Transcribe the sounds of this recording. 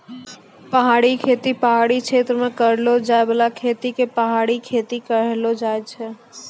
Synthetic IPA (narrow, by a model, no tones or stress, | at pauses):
pəɦaɽikʰet̪ipəɦaɽikʃʰet̪ɾəmekəɾlod͡ʒaebəlakʰet̪ikepəɦaɽikʰet̪ikəɾɛlod͡ʒajt͡ʃʰɛ